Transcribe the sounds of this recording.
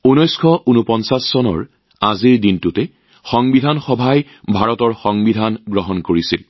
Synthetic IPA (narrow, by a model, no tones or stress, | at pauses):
unɔjskʰɔʔunɔpɔnsasːɔnɔ̰ɹ | aziɹdintutɛ | xɔŋbidʱanxɔbʱaj | bʱaɹɔtɔɹxɔŋbidʱanɡɹɔɦɔnkoɹisil